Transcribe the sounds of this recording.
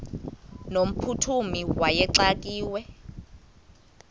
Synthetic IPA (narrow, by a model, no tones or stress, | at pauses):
nom̩pʰutʰumiwajɛǀak̬ʼiːwɛ